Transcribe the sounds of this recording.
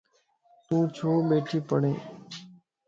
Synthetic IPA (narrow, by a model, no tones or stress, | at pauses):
t̪ũːt͡ʃʰoːɓeːʈʰiːpəɽẽː